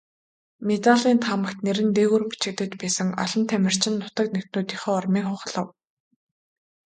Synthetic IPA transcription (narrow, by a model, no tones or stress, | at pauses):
met̪aɮiːnt̪ʰamə̆kt̪neɾɘ̆nt̪eːɣuːrpi̥t͡ɕɪ̆k̚t̪ɘ̆kt͡ɕpæːsə̆ŋɔ̰ɮɞ̆nt̪ʰæmʲɪ̆r̥t͡ɕɪ̆nːʊt̪ə̆knekt̪noːt̪iχɔːrmiːŋχʊχɮə̆w